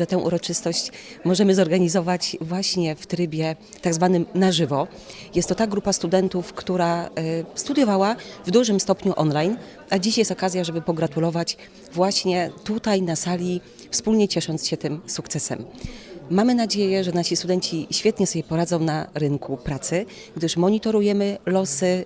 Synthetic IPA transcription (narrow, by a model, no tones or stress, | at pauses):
ʐɛt̪ɛ̃w̃ʔṵɾɔt͡ʂɘst̪ɔɕt͡ɕmɔʐɛmɘzɔɾɡaɲizɔvat͡ɕvwaɕɲɛft̪ɾɘbʲjɛ | t̪aɡzvanɘmnaʐɘvɔ | jɛst̪ːɔt̪aɡɾupast̪ud̪ɛnt̪ufkt̪uɾast̪ud̪jɔvawavd̪uʐɘmst̪ɔpɲuʔɔnlajn | ʔad͡ʑiɕjɛst̪ɔkazʲjaʐɛbɘpɔɡɾat̪ulɔvat͡ɕ | vwaɕɲɛt̪ut̪ajnasalʲi | fspulɲɛt͡ɕɛʂɔnt̪sɕɛt̪ɘmsukt̪sɛsɛ̰mː | amɘnad͡ʑejɛʐɛnaɕist̪ud̪ɛɲt͡ɕiɕfʲjɛt̪ɲɛsɔbʲjɛpɔɾad̪zɔ̃w̃naɾɘŋkʰupɾat̪sɘ | ɡd̪ɘʂmɔɲit̪ɔɾujɛmɘlɔsɘ